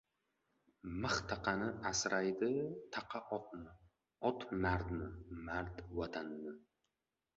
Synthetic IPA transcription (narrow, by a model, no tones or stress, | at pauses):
mɨχt̪ʰaqʰɑnɪasɾʔajd̪ɪt̪ʰɑqʰɑʔɒt̪̚nɪ | ɒt̪naɾd̪nɪmaɾd̪wat̪ʰanːɪ